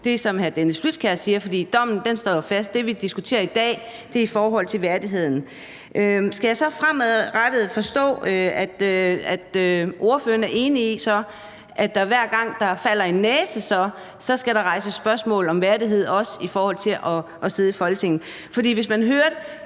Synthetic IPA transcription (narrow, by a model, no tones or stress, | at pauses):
d̥e̝sɒ̽mɦæd̥enəslud̥̚kʰæɐssiːɐfɒ̽d̥ḭːd̥ɒ̽m̰n̩d̥ensd̥ɒ̰ːjofæsd̥̚d̥e̝ʋid̥isɡ̥ut͡sʰe̝̰ːɐid̥ɛ̰ːd̥e̝ɐifɒːɦɒ̽l̰t͡sʰe̝lʋæɐdiɦe̝ð̰ˠn̩ | ʔøsɡ̥æjɑ̈ɪsɒ̽fʁamæðˠʁad̥əð̩ˠfɒ̽sd̥ɔ̰̽ːæd̥æd̥øʔo̝ɐføːɐnæɐʔe̝ːniisɒ̽ | ʔæd̥ɑ̈ʋæɐ̰ɡ̥ɑ̈ŋ̰d̥ɑ̈fæl̰ɐe̝nːɛːsəsɒ̽ | sɒ̽sɡ̥æɾɑ̈ʁɑ̈ɪsəsb̥ɶɐsmɔ̰ːl̩ɒ̽mʋæɐdiɦe̝ð̞̰ˠɒ̽sifɒːhɒ̽l̰t͡sʰe̝lʔɒ̽ʔɒ̽se̝ð̞ˠifɒ̽lɡ̥ət͡sʰe̝ŋ̰n̩ | fɒ̽d̥ḭːʋe̝s̬mænɦøːɐde